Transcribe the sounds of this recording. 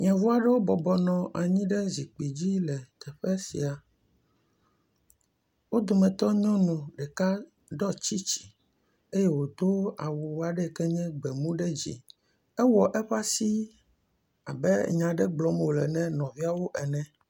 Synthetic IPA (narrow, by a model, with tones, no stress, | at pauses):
ɲɛ̃˨vu˦a˦ɖɛ˦wo˦bɔ˨bɔ˨nɔ̃˨ʔa˨ɲĩ˦ɖɛ˦zi˨k͡pi˨d͡ʑi˦lɛ˨t̪ɛ˨ɸeɛ˦sḭ˨a˨ | wo˦d̪o˨mɛ̃˨t̪ɔ˦ɲɔ̃˦nũ˨ɖɛ˨ka˦ | ɖɔ˦t͡ɕi˦t͡ɕi̥˨ | e˦jɛ˦wo˨d̪o˦a˨wu˨wa˨ɖɛ˦˨kɛ˦ɲɛ̃˦ɡ͡bɛ˨mũ˦ɖɛ˦d͡ʑḭ˦ | ɛ˦wɔ˨ʔɛ˦ɸa˦si˦ | a˨bɛ̰˦ɲã˨ɖɛ˦ɡ͡blɔ˨m˨wo˨lɛ˨nɛ̃˦nɔ̃˨vi˦a˦wo˦ʔɛ˨nɛ̃˨